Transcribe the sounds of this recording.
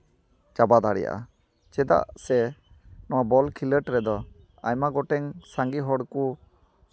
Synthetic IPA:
t͡ʃabad̪aɽɛ̰ja̰ʔa̰ | t͡ʃɛd̪a̰ʔsɛ | nɔwabɔlkʰiləʈɾɛd̪ɔ | a̰jmaɡɔʈɛŋsaŋɡiɦɔɽku

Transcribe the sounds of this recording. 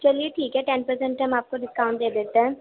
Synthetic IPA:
t͡ʃɐlieʈʰiːkɦɛʈɛnpəɾsɛ̃ɳʈɦɐmaːp̚koɖɪskaːʊɳʈ̚d̪eːd̪eːt̪eɦɛ̃

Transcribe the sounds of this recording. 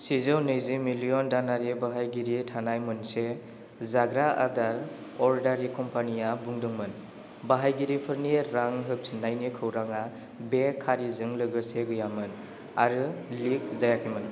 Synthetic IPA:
sizɯwnɯjzimiliɔndanaɾibaɦajɡiɾitʰanajmɯnse | zaɡɾaʔa̰daɾ | ɔɾdaɾikɔmpanijabuŋdɯŋmɯn | baɦajɡiɾipʰɯɾniɾaŋɦɯp̚snajnikʰɯwɾaŋa | bekʰːaɾizɯŋlɯɡɯseɡɯjamɯn | aɾɯlik̚zajakʰimɯn

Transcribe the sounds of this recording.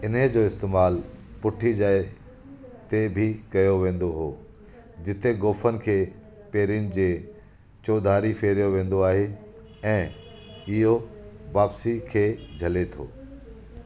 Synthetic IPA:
ɪnəd͡ʑoːɪst̪eːmaːlpʊʈʰid͡ʑaːe | t̪ebʱɪkɐjoʋẽːn̆d̪oɦoː | d͡ʑɪt̪eɡoːfənɪ̆kʰeː | peːɾijʊnɪ̆d͡ʑeː | t͡ɕoːd̪ʱaːɾifeːɾijoʋẽːn̆d̪oaːɦe | ɛ̃ː | ɪɦoʋaːpsikʰeːd͡ʑʱɐlet̪ʰo̰ː

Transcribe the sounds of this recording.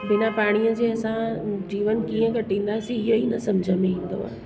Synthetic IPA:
bɪnapaːɽ̃ijəd͡ʑeːɐsãd͡ʑiːʋənkiːə̃kɐʈʰĩːnd̪aːsĩɪɦoinɐsɐmd͡ʑʱəmẽĩːn̆d̪o̰a̰ː

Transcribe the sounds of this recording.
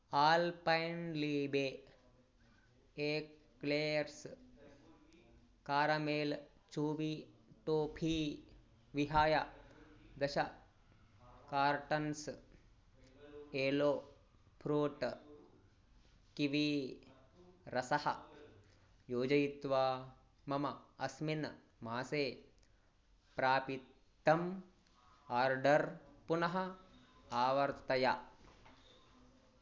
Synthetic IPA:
aːlpɐjnliːbeː | eːkleːɾs | kaːɾɐmeːl | t͡ʃuːʋiʈoːpʰiː | ʋiɦaːja | d̪ɐʃɐ | kaːɾʈɐns | eːloː | pʰɾuːʈ | kiʋi | ɾɐsɐhɐ | joːd͡ʒɐjit̪ʋaː | mɐmɐɐsmin | maːseː | pɾaːpit̪ːɐm | aːɾɖɐɾpunɐɦɐ | aːʋɐɾt̪t̪ɐja

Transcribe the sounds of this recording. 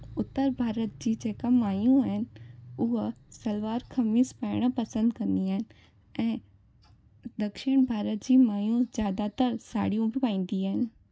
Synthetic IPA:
ʊt̪ːəɾbʱaːɾət̪̚d͡ʑiːd͡ʒeːkamaːjũɦɪnʊɦsɐlʋaːɾkʰɐmispaːɽ̃apɐsə̃nd̪kɐ̃nd̪iaːɦɪn | ɛ̃ː | d̪ɐkʃɪɽ̃bʱaːɾət̪̚d͡ʑiːmaːjũzjaːd̪at̪əɾsa̰ːɽijũbipaːĩːn̆d̪iaːɦɪn

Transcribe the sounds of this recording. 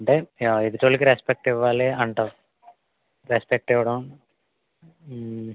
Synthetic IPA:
ɐɳʈeːjaːid̪it̪oːɽikiɾespek̚ʈiʋːaːleɐɳʈaː | ɾespek̚ʈɛʋɐɽɐm

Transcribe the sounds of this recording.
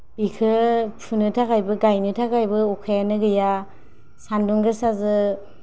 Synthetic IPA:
b̥ikʰɯpʰunɯtʰakajbɯɡajnɯtʰakajbɯɔkʰajanɯɡɯja | sanduŋɡɯsazɯ

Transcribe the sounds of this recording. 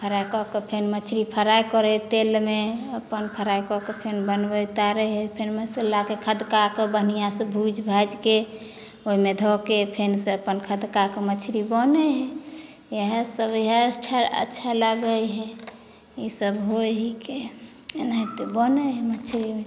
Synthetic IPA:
pʰəɾakɔkepʰenmət͡ʃʰɾipʰəɾajkɔɾɛɦɛt̪elmeəpənpʰəɾajkɔkepʰenbənbət̪aɾəɦɛpʰenmeselakekʰəd̪kakebənijasə̃bʱud͡ʒbʱad͡ʒke | oɦimed̪ʱɔkepʰensẽəpənkʰəd̪kakemət͡ʃʰɾibɔnɛɦɛ | eɦəsəbeɦat͡ʃʰaə̰tːʃʰaləɡəjɦɛ | isəbɦoɦike | naɦit̪obənɛɦɛmət͡ʃʰɾime

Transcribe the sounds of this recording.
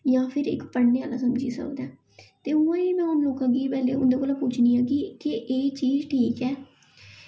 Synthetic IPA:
jãːpʰɪɾɪ̰kpəneːaːlaːsəmd͡ʒiːsə̰kd̪ɛː | t̪eːʊːãːiːmɛ̃ːɦʊnloːkãːɡiːpɛːleːʊnd̪eːkoːlaːpʊt͡ʃʰniːaːɡiːkɪʔeːt͡ʃiːzʈʰiːkɛː

